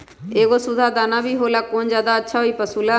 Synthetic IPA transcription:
eːɡoːsʊd̪ʱaːd̪aːnaːbʱiːɦoːlaːkoːnd͡ʒjaːd̪aːətːʃʰaːɦoiːpəsuːlaː

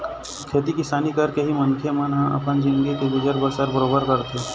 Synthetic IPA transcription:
kʰeːt̪ikɪsaːnikəɾkeɦimənkʰemənɦãʔɐ̰pənd͡ʒɪ̃nɡikeɡʊd͡ʒəɾbəsəɾbəɾoːbəɾkəɾt̪e

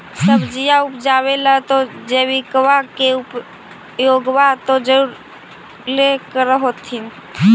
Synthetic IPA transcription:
səbd͡ʒijaupd͡ʒaβelat̪ɔd͡ʒeβikʋakeup | joɡʋat̪ɔd͡ʒəuɾ | lekəɾəɦot̪ʰin

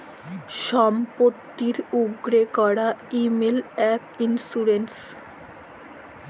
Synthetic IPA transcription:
ʃɔmpot̪ːiɾuɡɾekɔɽaimelɛpinsuɾens

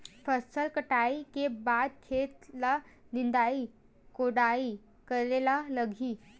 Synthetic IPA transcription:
fəsəlkəʈaikebad̪̚kʰet̪la | nind̪ai | koɽai | kəɾlelaləɡʱiː

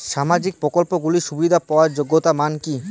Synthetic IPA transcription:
ʃamad͡ʑik̚pɾokolpoɡuliʃubid̪ʱapaoaɾd͡ʑoɡːot̪amanki

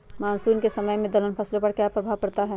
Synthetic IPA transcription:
maːnsuːnkesɐməjmẽd̪ɐlənpʰɐslõpɐɾkjaːpɾɐbʱaːʋkɐɾt̪aɦɛː

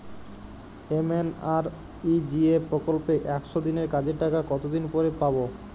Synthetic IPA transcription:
emenaɾ | id͡ʑiepɾokolpeʔɛkʃod̪ineɾkad͡ʑeɾʈakakɔt̪od̪inpɔɾepabo

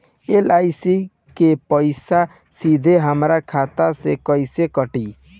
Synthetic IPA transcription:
elajsi | kepəɪsa | sid̪ʱeɦəmɾakʰat̪asekɔjsekəʈi

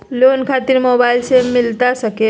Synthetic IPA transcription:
lonkʰat̪iɾmobailsemɪlt̪asəke

